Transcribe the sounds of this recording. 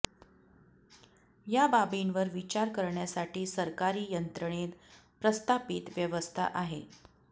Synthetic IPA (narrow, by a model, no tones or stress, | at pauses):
jababinʋəɾʋit͡ɕaɾkəɾɳjasaʈiːsəɾkaɾiːjənt̪ɾəɳ̃et̪ | pɾəst̪ʰapiːt̪ʋjəʋəst̪ʰa̰ʔaɦe